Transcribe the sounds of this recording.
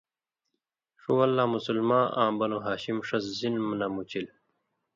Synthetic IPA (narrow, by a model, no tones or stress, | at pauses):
ʂuwɐlːaːmusulmãːʔã̰ːbɐnuɦaːɕimʂɐszinmnɐmut͡ɕil